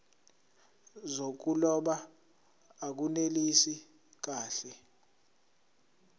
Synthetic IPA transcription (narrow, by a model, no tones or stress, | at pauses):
zok̬ulɔɓaː | k̬unelisi | k̬aːɬɛ